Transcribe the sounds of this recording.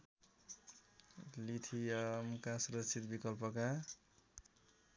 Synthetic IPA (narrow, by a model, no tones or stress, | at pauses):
lit̪ʰiʌmkasuɾʌt͡sʰit̪bikʌlpʌka